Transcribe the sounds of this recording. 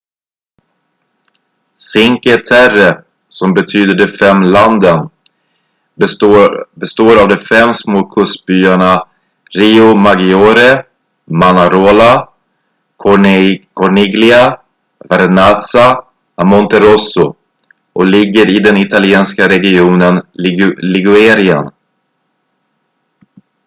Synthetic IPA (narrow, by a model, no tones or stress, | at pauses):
sɪŋkɛt̪ʰæɾə | sɔmbɛt̪ʰyːd̪əɖɛfɛmːland̪ən | bɛst̪oːɾavd̪ɔfɛmːsmoːkʰɵst̪̚byːaɳa | ɾiːʊmaɡɪoːɾə | manaɾoːla | kʰɔɳɪɡlɪa | vɛɾnasa | amɔnt̪ɛɾɔsʊ | ʔɔlɪɡːəɾɪd̪ɛnɪt̪alɪeːnskaɾɛɡɪuːnənlɪɡʊɛːɾɪə̰n